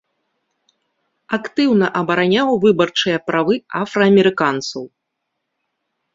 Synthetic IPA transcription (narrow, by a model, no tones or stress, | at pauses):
akt̪ɨwnɐʔɐbɐɾanʲawvɨbɐrt͡ʂɨjɐpɾavɨafɾɐːmʲɛɾɨkant̪sɐw